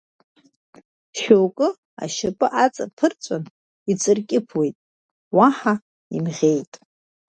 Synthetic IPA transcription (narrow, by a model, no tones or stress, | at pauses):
ʃowkʼɨ | a̰ʃapʼɨʔat͡sʼa̰pʰɨrt͡sʷʼan | it͡sʼɨrkʲʼɪpʰwe̞jtʼ | waħa | imʁʲe̞jtʼ